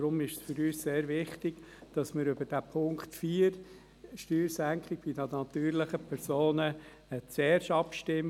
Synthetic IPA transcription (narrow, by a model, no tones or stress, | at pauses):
ɾʊmɪʃsfʏɾyːsseːɾʋɪχtɪɡ̥ | d̥ɑsmɪɾʏb̥əd̥æpʰʊŋktfiːəɾ | ʃtyːɾsæŋkχɪɡ̥b̥idɑd̪nɑt̪yːɾləχəpʰɛɾsoːnə | t͡sɛːɾʃɑpʃtɪm